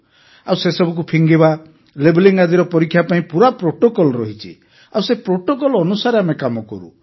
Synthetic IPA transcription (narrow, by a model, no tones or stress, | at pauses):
awsesɔbʱuk̬upʰiŋɡiba | lebliŋɡad̪iɾɔpɔɾikʰːjapaĩpuɾapɾoʈokɔlɔɾɔɦit͡ʃʰḭ | awsepɾoʈokɔlɔnusaɾeamekamɔkɔ̰ɾṵ